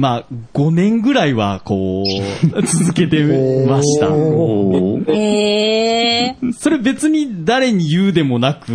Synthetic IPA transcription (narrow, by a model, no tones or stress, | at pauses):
maːɡ̥o̞nẽ̞ŋɡɯ̟ɾaiβako̞ː | t͡sɨzɨke̞t̪e̞maɕi̥t̪a̰ | so̞ɾe̞be̞t͡sɨɲ̟id̪aɾe̞ɲ̟ijɯːd̪e̞mo̞nakɯ̟